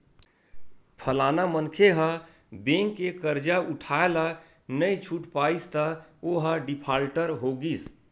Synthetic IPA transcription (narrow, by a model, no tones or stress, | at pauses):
pʰəlanamənkʰeɦə̃ | bẽŋkːekəɾd͡ʒauʈʰaela | nəjt͡ʃʰuʈpaist̪əoɦə̃ɖipʰalʈəɾɦoɡis